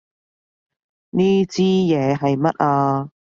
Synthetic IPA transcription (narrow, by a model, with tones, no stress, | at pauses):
niː˥t͡siː˥jɛː˨˧ɦɐ˨jmɐ˦˥t̚ʔaː˧